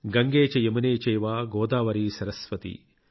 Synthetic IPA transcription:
ɡɐŋɡeːt͡ʃɐjɐmɐneːt͡ʃejʋaːɡoːd̪aːʋɐɾiːsɐɾɐsʋɐt̪ḭ

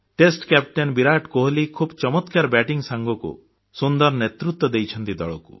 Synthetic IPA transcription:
ʈesʈkɛp̚ʈenbiɾaʈkoɦlikʰubt͡ʃɔmɔt̪kaɾɔbɛʈiŋsaŋɡɔkṵ | sund̪ɔɾɔnet̪ɾut̪wɔd̪ejt͡ʃʰɔnt̪id̪ɔ̰ɭɔkṵ

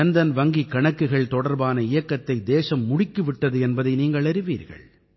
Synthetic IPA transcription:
ɐnd̪ɐnʋɐŋɡikːɐɳɐkːɯɣɐɭt̪ɔɽɐɾbaːnɐɪjɐkːɐt̪ːɐɪd̪eːsɐmːʊɽɪkːɯʋɪʈːɐðɯɛnbɐðɐɪniːŋɡɐɭɐɾɯʋiːɾɣɐ̰ɭ

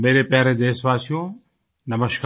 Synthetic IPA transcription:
meːɾepjaːɾed̪eːsʋaːsijõː | nɐməʃk

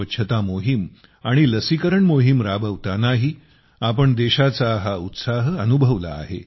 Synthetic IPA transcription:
ətːɕʰət̪amoɦim | aɽ̃iləsikəɾəɳmoɦimɾabəʋt̪anaɦi | apəɳd̪eɕat͡saɦaut̪saɦənubʱəʋla̰ːɦḛ

